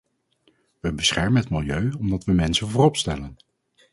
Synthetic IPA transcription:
ʋəbəsχɛɹmənɦətmɪlˠjøɥɔmdɑtʋəmɛnsənvʊːrɔpstɛlən

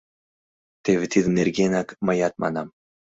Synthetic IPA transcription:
t̪evit̪ʰiðneɾɡʲinakmajat̪̚ma̰nam

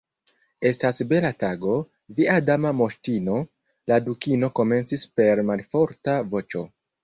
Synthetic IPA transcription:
e̞stasbe̞lataɡo̞ | viadamamo̞ʃtino̞ | ladukino̞ko̞me̞nt͡sispe̞ɾmalfo̞ɾtavo̞t͡ʃo̞

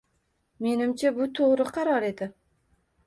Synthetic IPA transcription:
me̞nɪmt͡ʃʰabʊt̪ʰoʁɾɪqʰɑɾɒɾe̞d̪ɪ

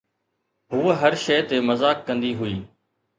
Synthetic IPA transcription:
ɦʊːɦəɾʃeːt̪eːməzaːkːə̃nd̪iːɦʊiː

